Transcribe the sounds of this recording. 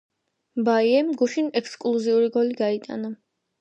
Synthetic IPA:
baiɛmɡuʃinɛkskʼlˠuziuɾiɡɔliɡait̪ʼa̰na

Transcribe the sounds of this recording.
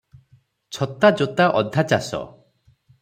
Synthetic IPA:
t͡ʃʰɔt̪ad͡ʒɔt̪aʔɔd̪ʱat͡ʃasɔ̰

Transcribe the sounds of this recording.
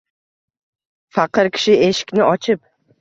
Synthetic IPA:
faqɨɾkʲʰɪ̥ʃɪeʃɪ̥kʲnɪʔɒt͡ʃʰɪp̚

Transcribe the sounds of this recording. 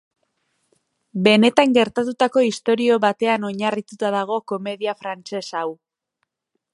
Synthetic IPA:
be̞ne̞t̪aŋɡe̞ɾt̪at̪ut̪ako̞ist̪o̞ɾio̞βat̪e̞ano̞ɲarit̪ut̪aðaɣ̞o̞ko̞me̞ðiafɾant͡se̞saw

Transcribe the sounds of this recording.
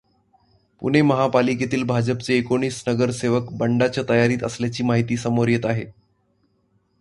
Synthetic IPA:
pṵɽ̤̃eməɦapaliket̪iːlbʱad͡ʑəpt͡seːkoɳ̃iːsnəɡəɾseʋəkbəɳɖat͡ɕjat̪əjaɾiːt̪ə̰sljat͡ɕiːmaɦit̪iːsəmoɾjət̪aɦḛ

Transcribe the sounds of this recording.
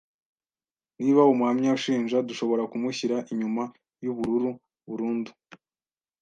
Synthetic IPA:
niːβaumuamɲauʃiːnʒaduʃo̞βo̞ɾakumuçiɾaʔiɲuma | juβuɾuɾu | βuɾuːndu

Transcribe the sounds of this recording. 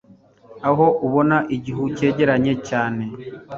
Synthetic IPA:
aɦo̞ʔuβo̞naʔiɟiɦuce̞ːɟe̞ɾaɲe̞caːne̞

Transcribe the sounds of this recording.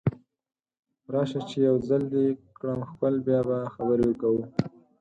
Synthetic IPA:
ɾɑʃat͡ʃejawzald̪ekɽamxpəlbjɑbaxabəɾewəkawu

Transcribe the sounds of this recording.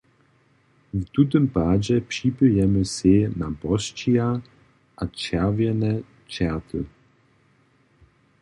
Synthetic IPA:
vt̪ut̪̬ɨmpaːd͡ʑɛpʂipɨjɛməsenabɔst͡ɕia | ʔat͡ʃɛʁvjɛnɛ | t͡ʃɛʁt̪ʰə

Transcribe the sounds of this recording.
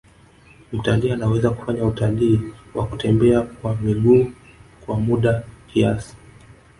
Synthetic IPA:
utalianawɛzaku̥faɲautaliːwakutɛmbɛakwamiɠuː | kwamuɗakʰiasi̥

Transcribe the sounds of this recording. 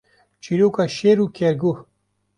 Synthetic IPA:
t͡ʃiɾukaʃeɾukeɾɡu

